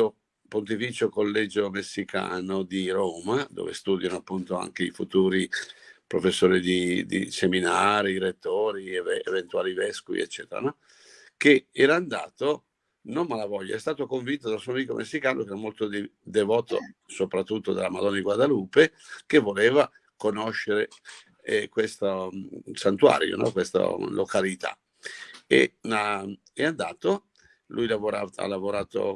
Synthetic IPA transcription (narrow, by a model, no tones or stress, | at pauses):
o | pont̪̬ifiːt͡ʃokolːɛd͡ʒomesːika̰ːnod̪iɾoːmad̪o̰ːvḛst̪uːd̪janoapːunt̪oa̰ŋkeḭfut̪uːɾipɾofesːoːɾid̪id̪ḭseminaːɾiɾet̪ːoːɾievɛevent̪uaːlivɛskuvḭḛt͡ʃːɛːt̪eɾa̰nɔ | keɛːɾaːnd̪a̰ːt̪o | nommalavɔʎːa̰ɛst̪aːt̪okoɱvint̪̬od̪asuoamiːkomʔesːikaːnokeɛːɾamolt̪od̪d̪evɔːt̪o̰sopɾat̪ːut̪ːod̪alamad̪ɔnːad̪iɡwad̪aluːpekevoleːva | konoʃːeɾe | kwest̪asant̪ua̰ɾjo̰nɔ̰kwest̪a̰lokalit̪a̰ | ḛna | ɛand̪aːt̪o | lʔujlavoɾaa̰lːavoɾaːt̪o̰